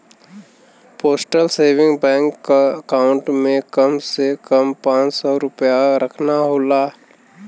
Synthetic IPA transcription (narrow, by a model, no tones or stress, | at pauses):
poːsʈəlseːʋɪ̃ŋɡbɛ̃ːŋkːaəkaːʊ̃ɳʈmẽkəmsekəmpãːt͡ʃsɔːɾʊpjaɾəkʰnaɦoːlaː